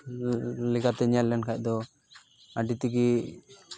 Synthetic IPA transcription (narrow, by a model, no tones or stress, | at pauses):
lɛkʰat̪ɛɲalːɛnkʰac̚ˀd̪ɔ | aɖit̪iɡi